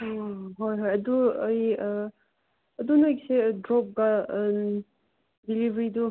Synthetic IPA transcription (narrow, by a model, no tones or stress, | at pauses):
ɦojɦojɐduɐj | ɐdunajsedɾɔp̚ɡa | dilibɾidu